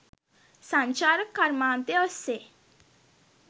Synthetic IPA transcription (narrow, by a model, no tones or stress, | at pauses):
sãɲt͡ʃaːɾəkːaɾmãːnt̪eɔsːe